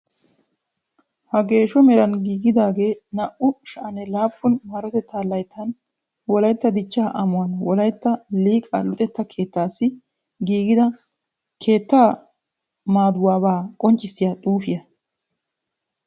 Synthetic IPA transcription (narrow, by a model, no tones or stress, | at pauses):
hɐɡe̞ːʃɔmɛɾɐnɡiːɡɪd̪aːɡe̞ːnɐʔʊʃɐʔɐnɛlaːpːʊnmɐɾɔt̪ɛt̪ːaːlɐjt̪ʰːɐn | wɔlɐjt̪ːɐd̪ɪt͡ʃːaːʔɐmʊwɐnwɔlɐjt̪ːɐliːkʼɐ̰lʊt̪ʼɛt̪ːɐkʰe̞ːt̪ːaːsːɪ | ɡiːɡɪd̪ɐ | kʰe̞ːt̪ːaː | maːd̪ʊwaːbaːkʼɔnt͡ʃʼːɪsːɪjaːt̪ʼuːfɪjɐ